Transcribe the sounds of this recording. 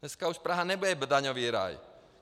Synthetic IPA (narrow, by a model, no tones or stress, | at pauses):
ɛskauʃpɾaɦanɛbujɛbd̪aɲɔʋiːɾa̰j